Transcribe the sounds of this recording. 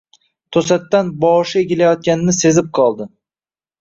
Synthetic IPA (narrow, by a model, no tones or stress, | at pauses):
t̪ʰosat̪ːanbɒʃɪeɡʲɪlajɒt̪̚kʲanɪnɪse̞zɪp̚qʰɒlˠd̪ɪ